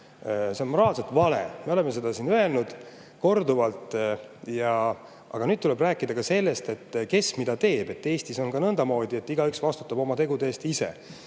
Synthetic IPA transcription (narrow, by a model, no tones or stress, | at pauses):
se̞o̞nmo̞ɾɑːlset̪ˑvɑlḛme̞o̞le̞mes̬e̞d̪ɑsinøe̞lnud̪̥ | ko̞rd̪uvɑlt̪ˑjɑ | ɑ̰ɡ̥ɑnyd̪̥̚t̪ulɛbræːkːˑid̪ɑkɑse̞lːest̪e̞t̪ːke̞smid̪̥ɑt̪e̞ːb̥e̞t̪ːe̞ːst̪iso̞nɡɑnɤnd̪ɑmo̞ːd̪ie̞t̪ːˑiɡ̥ɑyksvɑst̪u̥t̪ːˑɑbo̞mɑt̪e̞ɡud̪e̞ːst̪ise̞̰